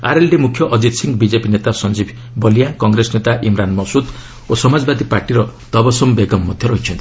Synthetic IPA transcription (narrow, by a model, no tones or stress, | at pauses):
aɾelɖimukʰjɔʔɔd͡ʒid̪siŋɡbid͡ʒepinet̪asɔnd͡ʒibʱ | bɔlijãkɔŋɡɾesnet̪aʔimɾanmɔsud̪ | osɔmad͡ʒbad̪ipaɾʈiɾɔd̪̥ɔbɔsɔmbeɡɔmːɔd̪ʱjɔɾɔɦit͡ʃʰɔnt̪ʰi̥